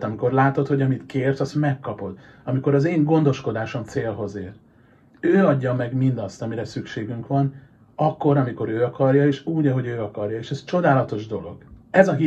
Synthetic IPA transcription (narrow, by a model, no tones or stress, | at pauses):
t̪ɒmiko̞rlaːt̪o̞t̪hoɟɒmit̪keːrsɒst̪mɛkːɒpo̞d̪ | ɒmiko̞ɾɒzeːŋɡo̞nd̪o̞ʃko̞d̪aːʃo̞mt̪seːlɦo̞zeːr | øːɒɟːɒmɛɡmind̪ɒst̪ɒmiɾɛsykʃeːɡyŋkʋɒn | ɒkːo̞ɾɒmiko̞ɾøːɒkɒrjɒeːʃuːɟɒɦo̞ɟøːɒkɒrjɒeːʃɛst͡ʃo̞d̪aːlɒt̪o̞ʒd̪o̞lo̞̰ɡ̥ɛzɒɦi